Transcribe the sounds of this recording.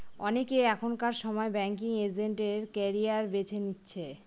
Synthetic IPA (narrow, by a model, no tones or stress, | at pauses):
ɔ̰nekeɛkʰonkaɾʃɔmɔebɛŋk̬iŋed͡ʑeɳʈeɾkɛɾiaɾbet͡ɕʰenitːɕʰe